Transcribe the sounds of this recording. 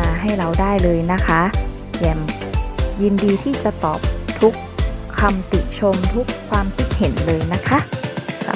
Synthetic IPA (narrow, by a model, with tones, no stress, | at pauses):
aː˧ɦa˥˩jɾa˧wdaː˥˩jlɤː˧jna˦˥kʰa˦˥ | jɛː˨˩m | ji˧ndiː˧t̪ʰiː˥˩t͡ɕa˨˩t̪ɔː˨˩p̚t̪ʰu˦˥kʰː | a˧mt̪ḭ˨˩t͡ɕʰo˧mt̪ʰu˦˥kʰːwaː˧mkʰi˦˥t̪̚he˨˩˦nlɤː˧jna˦˥kʰa˦˥ʔkʰa̰˧˩